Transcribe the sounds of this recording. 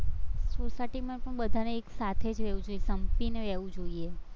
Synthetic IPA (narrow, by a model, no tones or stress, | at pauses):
sosaʈimãpəɳbəd̪ʱaneːksat̪ʰed͡ʒɾeʋũd͡ʒoiesəmpineʋɛʋũd͡ʒoie